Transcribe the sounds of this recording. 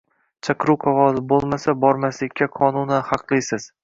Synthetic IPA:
t͡ʃʰɑqɾuwqʰavɒzɪbolˠmasabɒɾmaslɪkʲːaqʰɒnʊnɪhɑqlˠɪjsɪz̥

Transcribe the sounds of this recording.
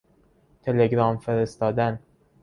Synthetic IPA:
t̪ʰe̞leɡɾɒːmfeɾest̪ɒːd̪æn

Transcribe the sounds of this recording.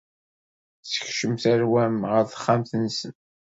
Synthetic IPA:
sə̥çʃəmθæɾwæmʁəɾθχːamθənsən

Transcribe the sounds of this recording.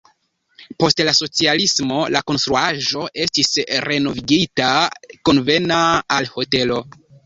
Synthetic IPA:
po̞stlaso̞t͡sialismo̞lako̞nstɾuaʒo̞ʔe̞stisɾe̞no̞viɡitako̞nve̞naːlho̞te̞lo̞

